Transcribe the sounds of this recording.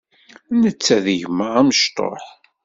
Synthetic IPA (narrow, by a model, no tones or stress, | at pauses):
nət͡sːæðəʝməʁæməʃt̪ˤo̰ħ